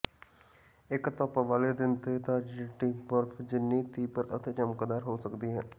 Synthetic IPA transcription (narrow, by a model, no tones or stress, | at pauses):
ɪkt̪ɔːpaʋaːled̪ɪnt̪eːt̪ãd͡ʒɪʈiːpəɾpʰd͡ʒɪnːiːt̪iːpəɾət̪eːd͡ʒəmkəd̪aːɾɦoːsəkd̪iːɦɛː